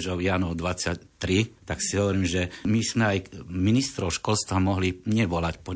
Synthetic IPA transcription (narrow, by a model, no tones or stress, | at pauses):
ʒɔʊjaːnɔʊd̪ʋat͡sact̪ɾit̪aksiɦɔʋɔɾiːmʒɛmiz̥mɛajminist̪ɾɔʊʃkɔlst̪ʋamɔɦliɲɛʋɔlacpɔ